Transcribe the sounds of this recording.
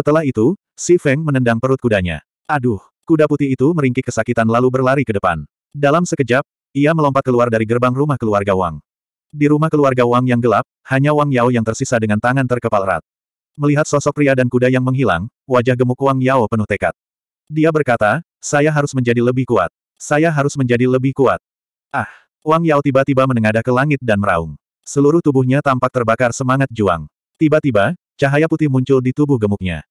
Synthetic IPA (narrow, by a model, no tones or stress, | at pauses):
sət̪əlaɦit̪u | sifɛŋmənəndaŋpəɾʊt̪̚kudaɲa̰ | ʔadʊh | kudaput̪iːt̪uməɾiŋkɪkəsakit̪anlalubərlaɾikədəpa̰n | dalamsəkəd͡ʒap̚ | iaməlɔmpat̪̚kəluardaɾiɡərbaŋrumahkəluarɡawa̰ŋ | diɾumahkəluarɡawaŋjaŋɡəlap̚haɲawaŋjaojaŋt̪ərsisadəŋant̪aŋant̪ərkəpalɾa̰t̪̚ | məliɦat̪̚sɔsɔk̚pɾiadankudajaŋməŋɦila̰ŋwad͡ʒahɡəmukuwaŋjaopənuht̪eka̰t̪̚ | diabərkat̪a | sajaɦaɾʊsməɲd͡ʒadiləbɪhkua̰t̪̚ | sajaɦaɾʊsməɲd͡ʒadiləbɪhkuat̪̚ | ʔah | uwaŋjaot̪ibat̪ibamənəŋadakəlaŋɪt̪̚danməɾa̰ʊ̰ŋ | səluɾʊht̪ubuhɲat̪ampak̚t̪ərbakarsəmaŋat̪̚d͡ʒua̰ŋ | t̪ibat̪iba | t͡ʃaɦajaput̪ɪhmuɲt͡ʃʊldit̪ubʊhɡəmʊk̚ɲa̰